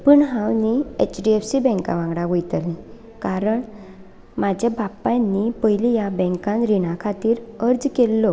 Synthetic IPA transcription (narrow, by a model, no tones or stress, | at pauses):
pəːɳɦãwniḛt͡ɕɖiefsibɛ̃ŋkã̰ʋãɡɽaʋəjt̪əlĩ | kaɾəɳ | mad͡ʑʱabʱapːanːipəɦilijabɛ̃ŋkãnɾiɽ̃akʰat̪iːɾəɾd͡zkelːɔ